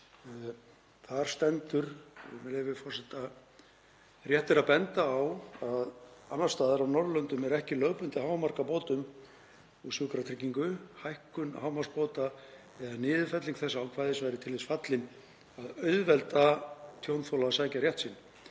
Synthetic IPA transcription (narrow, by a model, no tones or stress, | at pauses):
θaɾ̥st̪ɛnt̪ʏɾ̰mɛlɛvɪfɔrsɛht̪a | rjɛht̪ɪɾaðpɛnt̪aːwaðanːḁst̪aːðɪɾawnɔɾlœnt̪ʏmɛɾɛhcɪlœːwpʏnt̪ɪɦaːwmar̥kapoːt̪ʏm | usjʏːkɾat̪ʰɾɪcːiŋkʏhajhkʏnhawmḁspoːwt̪a | ɛðanɪːðʏfɛt̪liŋkθɛsːaawkʰvaːjðɪsvajɾɪt̪ʰɪlvɪsfat̪lɪn | aðœɥðvɛlt̪at̪ʰjownθowlasaːjcaɾjɛht̪sin